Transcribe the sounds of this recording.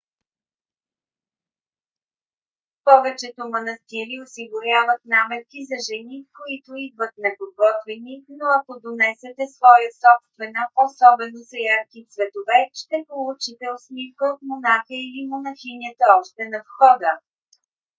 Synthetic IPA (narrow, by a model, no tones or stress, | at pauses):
pɔvɛt͡ʃɛt̪omɐnɐst̪iɾiosiɡʊɾʲavət̪namɛt̪̚kizɐʒɛnikoit̪oid̪vət̪nɛpoɡɔt̪vɛninoɐkod̪onɛsɛt̪ɛsvɔjəsɔpst̪vɛnəʔosɔbɛnozɐjaɾkit̪svɛt̪ovɛʃt̪ɛpolˠut͡ʃit̪ɛosmifkəot̪monaxəilimonɐxinʲiət̪əɔʃt̪ɛnɐfxɔd̪ə